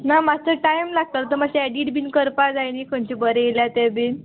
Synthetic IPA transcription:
namat͡səʈajmlaɡ̚t̪at̪t̪əmaɕeɛɖiʈbʱiːnkəɾpad͡zajnikoɳt͡ɕibəɾejeljat̪ɛbiːn

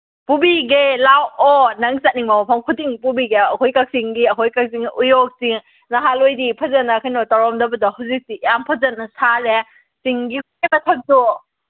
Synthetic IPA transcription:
pubiɡelawɔnɐŋsat̚niŋmamapʰaŋkʰutiŋpubiɡeɐkojkak̚siŋɡiɐɦʰojkak̚siŋʔujɔk̚siŋ | nɐɦalojdipʰɐzɐnɐkʰajnɔtaɾɔmdɐbɐdɐhuzik̚tijampʰɐzɐnɐsale | siŋɡi | emɐtʰɐk̚tu

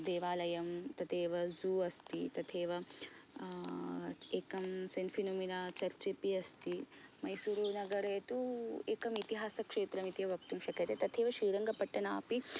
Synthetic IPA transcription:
d̪eːʋaːlɐjɐmt̪ɐt̪ʰeːʋɐzuːɐst̪it̪ɐt̪ʰeːʋɐ | eːkɐmsɐnfinominaːt͡ʃɐɾt͡ʃepiɐst̪imɐjsuɾunɐɡɐɾeːt̪ueːkɐmit̪iɦaːsɐkʂeːt̪ɾɐmit̪eʋɐʋɐkt̪umʃɐkɐt̪et̪ɐt̪ʰeːʋɐʃiːɾɐŋɡɐpɐʈːɐnaːpi

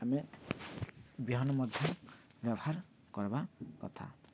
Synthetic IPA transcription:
ame | biɦɔnɔmɔd̪ʱjɔ | bjabɔhaɾ | kɔɾbakɔ̰t̪ʰa̰

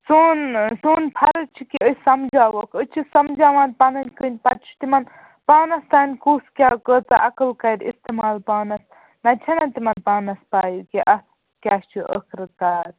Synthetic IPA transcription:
soːnsuːnpʰɐɾɐt͡ʃʰikiəsɐmd͡ʒaːʋɐkət͡ʃʰisɐmd͡ʒaːʋaːnpɐnɐnʲkənʲpɐt̚t͡ʃʰi̥t̪imɐn | paːnɐst̪aːnʲkuːskʲaːkəːt͡saʔɐkɐlkɐɾist̪imaːlpaːnɐs | nɐt͡ʃʰɐnɐt̪imɐnpaːnɐspaːjukiʔɐ | kʲaːst͡ʃʰiʔə̰kʰɾɨt̪aːɾ

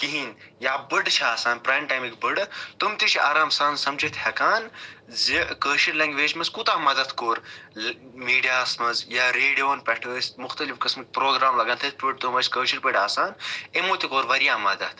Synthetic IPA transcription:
kiɦinjaːbɨɖt͡ʃʰaaːsaːnpɾaːmʈaːmikbɨɖt̪umt̪iʃʰiaːɾaːmsaːnsɐmd͡ʒit̪ʰhɐkaːnzikəːʃiɾlɐŋɡʲʋeːd͡ʒmɐzkut̪aːmɐd̪ɐt̪ʰkoːɾ | miːɖijaːsmɐzjaːɾeːɖijoːnpʲɐʈʰəːst̪mʊxt̪ɐlifkɐsmɨk̚ʲpɾoːɡɾaːmlɐɡɐnt̪ʰɐt̪̚ʰpiɖ̚t̪umɐsʲkəːʃiɾpɐɖaːsaːnemoːt̪ikoːɾʋɐɾijaːmɐd̪ɐt̪ʰ

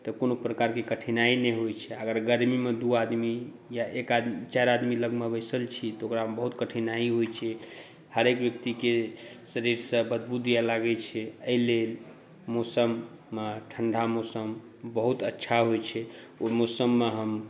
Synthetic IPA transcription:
t̪ɔkonopɾəkaɾkekəʈʰinainɛɦojt͡ʃʰɛəɡəɾɡəɾmimed̪uad̪mi | jaʔekad̪it͡ʃaɾad̪miləɡmebəjsəlt͡ʃʰit̪ɔokɾaɦəmbəɦut̪kəʈʰinaiɦojt͡ʃʰɛ | həɾekbjəkt̪ikesəɾiɾsə̃bəd̪̚bud̪ijalaɡɛt͡ʃʰɛəilel | mosəmː | eʈʰəɳɖʱamosəm | bəɦut̪ətːʃʰaɦojt͡ʃʰɛ | omosəmːeɦəm

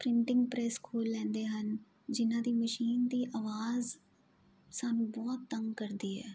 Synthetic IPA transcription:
pɾɪɳʈɪ̃ŋɡ̚pɾɛːskʰuːlːɛ̃ːnd̪eːɦən | d͡ʒɪnãːd̪iːməʃiːnd̪iːʔaːʋaːz | saːnũːbɔːt̪ːəŋɡkəɾd̪iːɦɛ̰ː

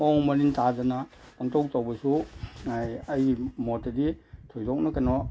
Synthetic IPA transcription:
ɔŋmɐɾintʰazana | aŋtʰɔk̚tʰawbɐsuajajɡimɔtaditʰɔjdɔk̚nakanɔ

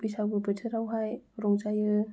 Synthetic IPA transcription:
bɯsawbɯbɯtʰɯɾawɦajɾɔŋzajɯ

